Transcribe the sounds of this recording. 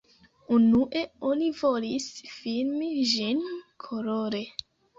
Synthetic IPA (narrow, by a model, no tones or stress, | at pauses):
unuʔe̞onivo̞lisfilmiʒinkʰoloɾe